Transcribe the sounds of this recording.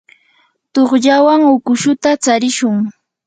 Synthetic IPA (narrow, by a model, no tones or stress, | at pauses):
t̪oχʎawaŋʊkʊʃʊt̪at͡saɾɪʃʊŋ